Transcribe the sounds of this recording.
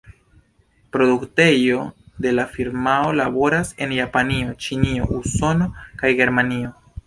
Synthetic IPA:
pɾo̞dukte̞jo̞de̞lafiɾmao̞labo̞ɾase̞njapanio̞t͡ʃinio̞ʔuso̞no̞kajɡe̞ɾmanio̞

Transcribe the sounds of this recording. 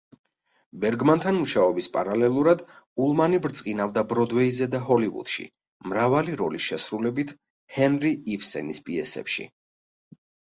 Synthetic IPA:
bɛɾɡmant̪ʰanmuʃaɔbispʼa̰ɾalɛlˠuɾad̪ | ulˠmanibɾt̪sʼqʼinavd̪abɾɔd̪vɛizɛd̪aɦɔlivṵd̪̥ʃḭ | mɾavaliɾɔlisʃɛsɾulɛbit̪ʰ | hɛnɾiːfsɛ̰nispʼiɛ̰sɛ̰pʃḭ

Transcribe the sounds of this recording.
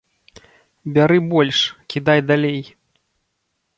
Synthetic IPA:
bʲaɾɨbɔlʲʂkʲid̪ajd̪alʲej

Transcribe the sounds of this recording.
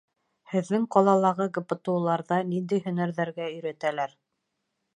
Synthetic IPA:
hɘ̆ðːɘŋqɑlˠɑlˠɑʁɤɡɤ̆pɤ̆t̪ŭwlˠɑɾðɑnind̪ijɦɵ̆næɾðæɾɡæɵ̆jɾæt̪ælæɾ

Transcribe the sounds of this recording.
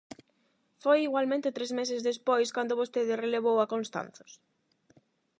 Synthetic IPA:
fojiɣwalmẽnt̪et̪ɾezmesezðespojskand̪oβost̪eðɪreleβowakonst̪a̰nθʊ̥s

